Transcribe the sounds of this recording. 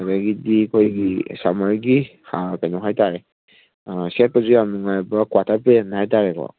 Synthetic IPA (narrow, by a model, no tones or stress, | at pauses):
ataɡidikʰɔjɡisamaɹɡihapɛnɔɦajtaɹɛ | sɛt̚pɔzuamɔŋajbakwatʰapɛnajtaɹɛkɔ̰